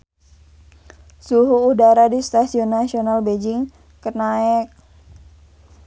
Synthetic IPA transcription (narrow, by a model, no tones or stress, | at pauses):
suɦuːdaɾadist̪asiɔnːasionalbed͡ʒɪŋ | kənaɛk̚